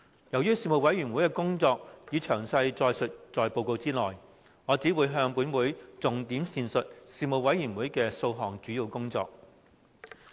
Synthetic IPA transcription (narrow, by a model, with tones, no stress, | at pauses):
jɐ˨˩wjyː˥siː˧mo˨˧wɐ˨˥jɥy˨˩nwu˨˥jkɛː˧kʊ˥ŋt͡sɔː˧k̚jiː˨˧t͡ʃʰœː˨˩ŋsɐ˧jt͡sɔː˧jsɵ˨t̚t͡sɔː˨jpo˧wko˧wt͡siː˥lɔː˨j | ŋɔː˨˧t͡siː˨˥wuː˨˧jɦœː˧ŋpuː˨˥nwuː˨˥jt͡sʊ˨ŋt̪iː˨˥msiː˧nsɵ˨t̚siː˧mo˨˩w̚wɐ˨˥jɥyː˨˩nwuː˨˥jkɛː˧so˧wɦɔː˨˩ŋt͡ʃyː˨˥ji˧wkʊ˥ŋt͡sɔ̰ː˧k̚